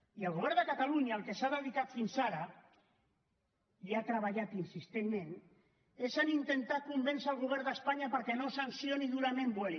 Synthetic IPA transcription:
iəlɣuβ̞ɛɾðd̪əkat̪aluɲaːlkesaðeðikat̪finsaɾa | iat̪ɾaβ̞aʎat̪insist̪enmẽn | esanint̪ent̪akumbensalɣ̞uβ̞ɛɾðəspaɲapəɾkenosansjoniðulamembwel

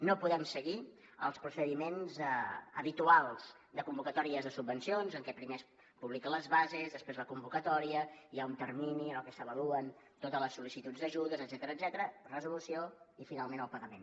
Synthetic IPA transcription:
nopuðɛmsəɣi | ə̰lˠspɾusəðimenzə̰βit̪ualˠz̥ | d̪əkumbukət̪ɔɾiəzðəsubːənsionzəŋkɛpɾimes | puβlikələzβazezðəspɾezləkumbukət̪ɔɾiəiaunt̪ərminiəlˠkɛsəβəluən | t̪ot̪ələsːulisit̪udd͡zd̪əʒuðəzəd̪zɛt̪əɾəːd̪zɛt̪əɾərəzulusioifinalˠmẽnəlˠpəɣəmen

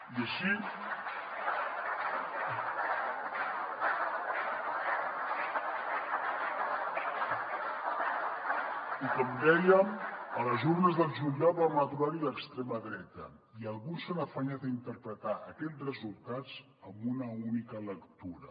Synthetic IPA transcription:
iəʃi | ikɔmd̪ɛjəmələzurnəzðəlˠʒuliaβaməðɾaɾiləkst̪ɾɛməðɾɛt̪ə̰ | iəlˠɣunsənəfaɲat̪əint̪əɾpɾət̪aʔəkɛt͡srəzulˠt̪ad͡z | əmbunəunikələkt̪uɾə

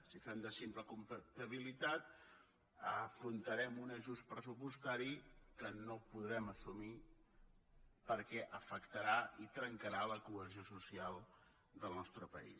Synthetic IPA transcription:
sifɛmd̪əsimpləkumpət̪əβilit̪at̪̚ | əfɾunt̪əɾɛmunəʒuspɾəsupust̪aɾikənopuðɾɛməsumi | pəɾkɛʔəfəkt̪əɾait̪ɾəŋkəɾaləkuəziosusialˠ | d̪əlˠnɔst̪ɾəpə̰ḭs

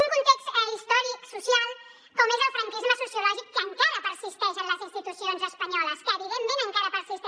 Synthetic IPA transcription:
uŋkunt̪ekst̪əist̪ɔɾiksusjalˠ | kɔmezəlfɾaŋkizməsusjulɔʒikːəŋkaɾəpəɾsist̪ɛʃənləzinst̪it̪usionzəspəɲɔləskəβiβendenə̃ŋkaɾəpəɾsist̪

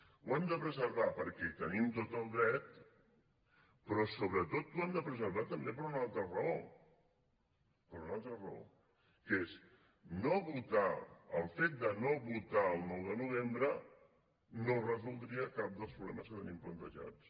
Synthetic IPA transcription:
wɛmd̪əpɾəzəɾβapəɾkɛt̪ənimt̪ot̪əlˠd̪ɾɛt̪ | pɾɔsoβɾət̪ot̪uɛmd̪əpɾəzəɾβat̪əmbep̬əɾunalˠt̪ɾərəo | pəɾunalˠt̪ɾərəo̰ | kəes | noβut̪aəlˠfet̪̚d̪ənoβut̪aəlˠnɔwðənuβ̞embɾə | norəzulˠd̪ɾiəkap̚d̪əlˠspɾuβlɛməskət̪ənimplənt̪əʒa̰t͡s

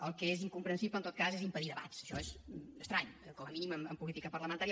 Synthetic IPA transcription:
əlˠkəeziŋkumpɾənsiplənt̪ot̪̚kazezimpəðiðəβa̰t̪sə̥ʃɔezəst̪ɾaɲkɔməminiməməmpulit̪ikəpəɾləmənt̪aɾi

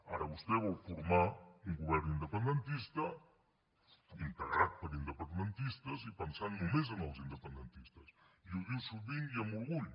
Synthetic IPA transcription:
aɾəβust̪ɛβɔwfuɾmauŋɡuβɛɾnind̪əpənd̪ənt̪ist̪ə | iŋk̪əɣɾat̪̚pəɾind̪əpənd̪ənt̪ist̪əzipənsannumezənəlˠzind̪əpənd̪ənt̪ist̪əsiuɣiwsuβiŋiəmulˠɣuʎ

